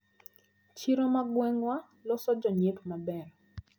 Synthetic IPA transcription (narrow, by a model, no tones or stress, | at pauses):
t͡ʃiɾɔmaɡwɛŋɡwa | lɔsɔd͡ʒɔɲetumabɛɾɔ